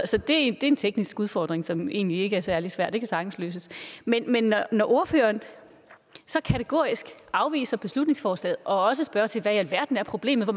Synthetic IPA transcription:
sɒ̽d̥e̝æd̥e̝e̝nt͡sʰeɡ̥nisɡ̥uðˠfɒ̰ːd̥ʁeŋsɒ̽me̝̰ːnlie̝ɡ̥əæɐsæɐlisʋæɐ̰d̥d̥e̝kʰæsɑ̈ɡ̥n̩slø̰ːs̬əsmenmenːɒːɒʔo̝ɐfø̰ːɐːn | sɒ̽kʰæt͡sʰeɡ̥o̝̰ɐ̰isɡ̥ʔɑ̈ʊʋḭːsɐb̥e̝slud̥ne̝ŋsfɒːslɛ̰ːð̩ˠʔɒ̽ɒ̽s̬əsb̥ɶːɐt͡sʰe̝lʋæælʋæɐd̥n̩æɐpʰʁo̝b̥le̝̰ːmð̩ˠʋɒ

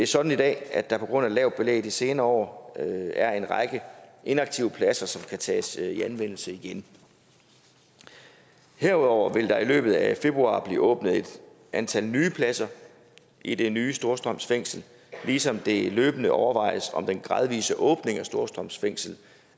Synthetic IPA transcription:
d̥e̝æɐsɒ̽d̥n̩idɛ̰ːæd̥ɑ̈pʰɒ̽ɡ̥ʁɔ̽n̰ælɛʊd̥̚b̥e̝lḛɪd̥ˠise̝ːnɐɒ̰ː | æɐe̝nʁɑ̈ɡ̥əʔe̝nɑ̈ɡ̥̚t͡sʰiʊəpʰlæsɐsɒ̽mkʰæt͡sʰɛ̰ːsiænʋen̰l̩səiɡ̥en | heɐ̰uðˠɒʊ̰ɐʋe̝ld̥ɑ̈ilø̰ːb̥ð̩ˠæfe̝b̥ʁuɑ̰̈ːb̥lḭːʔɔ̽ːb̥nəð̩ˠe̝d̥ | ʔænt͡sʰælnyːpʰlæsɐ | ʔid̥e̝nyːsd̥o̝ɐsd̥ʁɒm̰sfeŋ̰sl̩ | liːsɒ̽md̥e̝lø̰ːb̥ənəʔɒʊɐʋɑ̈ɪ̰əsɒ̽md̥enɡ̥ʁɑ̈ð̞ˠʋḭːsəʔɔ̽ːb̥ne̝ŋæsd̥o̝ɐsd̥ʁɒ̽m̰sfeŋ̰sl̩

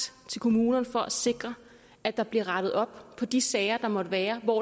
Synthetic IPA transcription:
t͡sʰe̝lkʰo̝muːnɐnfɒ̽ʔæse̝ɡ̥ʁɐ | æd̥ɑ̈b̥liɐʁɑ̈ɾ̥ð̩ˠɒ̽b̥pʰɒ̽d̥isɛɪɐd̥ɑ̈mɒ̽d̥əʋæːɐʋɒ̰

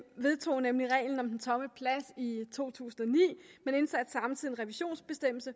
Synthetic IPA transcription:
ʋe̝ð̞ˠt͡sʰo̝̰ːnemliʁɛ̰ɪln̩ɒ̽md̥ent͡sʰɒ̽məpʰlæsit͡sʰo̝̰ːt͡sʰṵːsn̩ɒnḭːmene̝nsæd̥sɑ̈mt͡sʰiðˠnʁɛʋiɕo̝̰ːnsb̥e̝sd̥em̰l̩sə

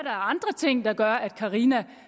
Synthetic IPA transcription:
d̥ɑ̈æɐɑ̈nd̥ʁɐt͡sʰe̝ŋ̰d̥ɑ̈ɡ̥ɶɐæd̥̚kʰɑ̈ʁiːnæ

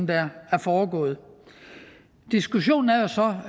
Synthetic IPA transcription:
n̩d̥ææɐfɒːɡ̥ɔ̰̽ːð̩ˠ | d̥isɡ̥uɕo̝̰ːn̩æɐjo̝sɒ̽

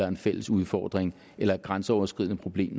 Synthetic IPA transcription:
ɐe̝nfel̰əsuð̞ˠfɒ̰ːd̥ʁeŋ | ʔelɐɡ̥ʁansəɒʊɐsɡ̥ʁiðˠnəpʰʁo̝b̥le̝̰ːm

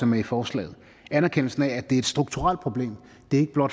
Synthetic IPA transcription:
ɒmæɐifɒːslɛ̰ːð̞̩ˠ | ænæɐkʰen̰l̩sn̩ææd̥e̝ɐe̝d̥sd̥ʁuɡ̥̚t͡sʰuʁal̰̥̚pʰʁo̝b̥le̝̰ːm | d̥e̝ɐe̝ɡ̥əb̥lɒ̽d̥

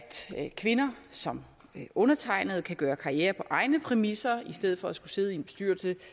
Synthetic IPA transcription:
d̥kʰʋe̝nɐsɒ̽m | ʔɔ̽nɐt͡sʰɑ̈ɪnəð̞̩ˠkʰæɡ̥ɶːɐkʰɑ̈iɛːɐpʰɒ̽ʔɑ̈ɪnəpʰʁɛmisɐisd̥eð̞̰̩ˠfɒ̽æsɡ̥use̝ð̞̩ˠienbe̝̥sd̥yɐ̰lsə

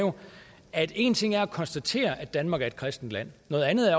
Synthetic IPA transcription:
jo̝ | æd̥e̝̰ːnt͡sʰe̝ŋ̰æɐækʰɒnsd̥æt͡sʰe̝̰ːɐʔæd̥ænmɑ̈ːɡ̥æɐe̝d̥kʰʁɛsd̥n̩d̥læn̰nɔ̽ːð̩ˠænð̩ˠæ

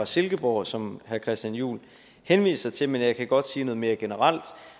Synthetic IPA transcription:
ɑ̈se̝lɡ̥əb̥ɒʊ̰sɒ̽mhæɐkʰʁɛsd̥ænjṵːl | henʋḭːssɑ̈ɪt͡sʰe̝menjɑ̈ɪkʰæɡ̥ɒ̽d̥siːnɔ̽ðˠme̝ːɐɡ̥e̝nəʁɑl̰d̥

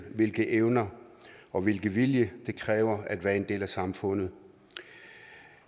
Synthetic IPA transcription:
ʋe̝lɡ̥əʔeʊnɐɒ̽ʋe̝lɡ̥əʋiljəd̥e̝kʰʁɛːʊɐæd̥ʋæːɐe̝nd̥e̝̰ːlæsɑ̈mfɔ̽n̰ð̩ˠ

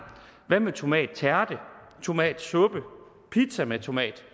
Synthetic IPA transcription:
ʋæmet͡sʰo̝mɛ̰ːd̥̚t͡sʰæɐd̥ə | t͡sʰo̝mɛ̰ːd̥sɔ̽b̥ə | pʰid̥sæmet͡sʰo̝mɛ̰ːd̥

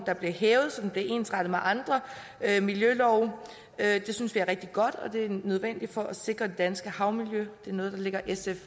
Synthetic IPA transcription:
d̥ɑ̈b̥le̝hɛːʊð̞̩ˠsɒ̽d̥enble̝ʔe̝̰ːnsʁɑd̥ð̩ˠmeʔɑ̈nd̥ʁɐ | ømiljølɒʊ | ød̥e̝synsʋiæɐʁɛɡ̥̚d̥iɡ̥ɒ̽d̥ɒ̽d̥e̝æɐnøð̞ˠʋen̰d̥i̥fɒ̽ʔæse̝ɡ̥ʁɐd̥e̝d̥ænsɡ̥əhɑ̈ʊmiljød̥e̝æɐnɔð̞̩ˠd̥ɑle̝ɡ̥ɐʔesef

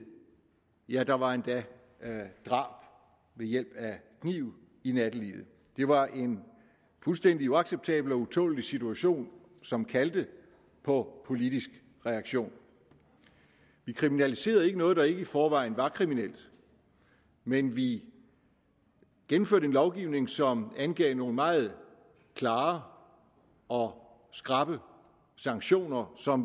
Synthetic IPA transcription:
jæd̥ɑ̈ʋɑ̈e̝nd̥æ | d̥ʁɑ̰̈ːb̥ | ʋejel̰b̥ækʰnḭʊ̰ | inæd̥əlḭð̩ˠ | d̥e̝ʋɑ̈ʔe̝n | fulsd̥en̰d̥iuɑ̈ɡ̥seb̥̚t͡sʰɛ̰ːb̥l̩ɒ̽ut͡sʰɔ̰ːlisit͡sʰuæɕo̝̰ːn | sɒ̽mkʰæld̥ə | pʰɒ̽pʰo̝lid̥isɡ̥ | ʁɛɑ̈ɡ̥ɕo̝̰ːn | ʋikʰʁiminælise̝̰ːɐð̞̩ˠe̝ɡ̥ənɔ̽ːðˠd̥ɑ̈e̝ɡ̥əifɒːʋɑ̈ɪ̰n̩ʋɑ̈kʰʁiminel̰d̥ | menʋi | ɡ̥enm̩fø̰ɐɾ̥əe̝nlɒʊɡ̥iːʊne̝ŋsɒ̽mænɡ̥ɛ̰ːʊno̝ːln̩mɑ̈ːð̩ˠ | kʰlɑ̈ː | ɒ̽ | sɡ̥ʁɑ̈b̥ə | sɑ̈ŋɡ̥ɕo̝̰ːnɐsɒ̽m

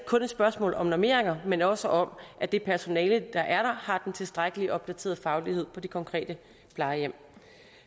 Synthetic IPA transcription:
kʰɔ̽ned̥sb̥ɶɐsmɔ̰ːlɒ̽mnɒme̝̰ɐ̰eŋɐmenɒ̽səʔɒ̽mʔæd̥e̝pʰæɐso̝nɛːləd̥ɑ̈ʔæɐɾ̥ɑ̈hɑ̈d̥ent͡sʰe̝lsd̥ʁaɡ̥əliʔɒ̽b̥̚d̥æt͡sʰe̝̰ɐð̩ˠfɑ̈ʊlihe̝ð̰ˠpʰɒ̽d̥e̝kʰɒ̽ŋkʰʁɛ̰ːd̥ə | pʰlɑ̈ɪjem̰

